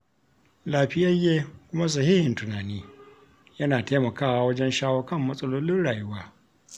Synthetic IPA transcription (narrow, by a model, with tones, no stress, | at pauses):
laː˨ɸɪ˦jɐ˦jeː˦kʷʊ˦ma˦s̬ɐ˨ɦiː˦hɪ˨ntʊ˨naː˨niː˦ | jɐ˦naː˨teː˦mɐ˨kaː˦wa˦wɐ˦d͡ʒɛ˦nʃaː˦woː˦kɐ˦˨mːɐ˦sʼɐ˦loː˦lɪ˦nɽaː˨jʊ˦waː˦